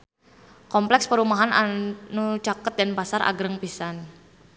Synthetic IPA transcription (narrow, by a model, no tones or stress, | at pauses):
kɔmplɛkspəɾumaɦanʔanut͡ʃakət̪̚danpasarʔa̰ɡɾəŋpisan